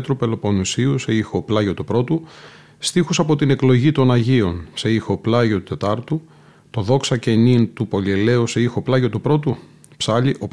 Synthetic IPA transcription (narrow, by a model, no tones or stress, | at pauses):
t̪ɾupe̞lo̞po̞nusiuseixo̞plɐʝo̞t̪upɾo̞t̪u | st̪ixusɐpo̞t̪ine̞klo̞ʝit̪o̞nɐʝio̞nse̞ixo̞plɐʝo̞t̪ut̪e̞t̪ɐɾt̪u | t̪o̞ðo̞ksɐce̞nint̪upo̞liele̞use̞ixo̞plɐʝo̞t̪upɾo̞t̪u | psɐʎiʔo̞p